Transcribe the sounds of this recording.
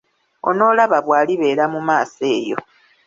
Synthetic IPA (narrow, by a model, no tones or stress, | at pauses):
o̞̰no̞ːlaβaβwaːliβe̞ːɾamumaːse̞ːjo̞̰